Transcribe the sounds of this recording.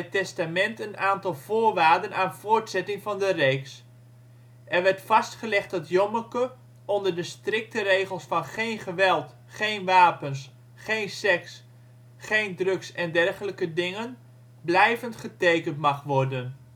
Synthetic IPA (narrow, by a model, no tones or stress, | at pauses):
ətɛstamɛntənaːntɑlˠvʊːɹʋaːrdənaːnv̥ʊːɹtsɛtɪŋvɑndərejks | ʔɛrʋɛɹtfɑstχəlɛχt̚dɑtjɔməkə | ɔndəɹdəstrɪk̚tərejχəlˠsfɑnχejnχəʋɛlˠt | χejnʋaːpəns | χejnsɛks | χejndrɵksɛndɛrχələkədɪŋən | blɛjvəntχətejkəntmɑχʋɔrdən